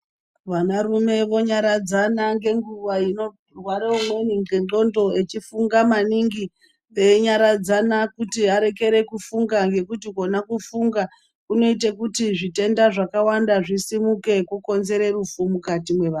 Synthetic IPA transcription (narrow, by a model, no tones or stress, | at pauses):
ʋanarume̞ʋo̞ɲaɾad͡zanaŋɡe̞ŋɡuʋaino | rwaɾeumweniŋɡeɡo̞ndo̞et͡ʃifuŋɡamaniŋɡi | eɲaɾad͡zanakutiaɾe̞ke̞ɾe̞kufuŋɡaŋɡe̞kutiko̞nakufuŋɡa | kuno̞it̬ekutiʐite̞ndaʐakawandaʐisimuke̞kuko̞nze̞ɾe̞rufumukatimwe̞ʋaː